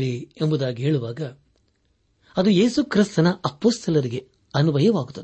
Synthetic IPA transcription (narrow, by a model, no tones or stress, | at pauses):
ɭiembud̪aːɡiɦeːɭuʋaːɡɐ | ɐd̪uje̞ːsukɾist̪ɐnɐɐpːoːst̪ʰɐlɐɾiɡe | ɐnubʱɐjɐʋaːɡut̪ːɐd̪